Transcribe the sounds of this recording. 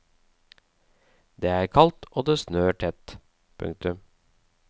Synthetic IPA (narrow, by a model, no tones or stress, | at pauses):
d̪eːæːɾkʰɑlt̪oːd̪eːsnøːʈʰɛt̪ | pʰʉ̰ŋ̚t̪ʉm